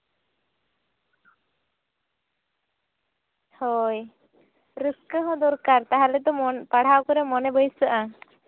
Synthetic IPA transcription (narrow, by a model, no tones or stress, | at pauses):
hɔj | ɾɨskəɦɔ̃d̪ɔɾkaɾt̪aɦalɛd̪ɔmɔnpaɽ̤awkɔɾɛmɔnɛbəjsəʔa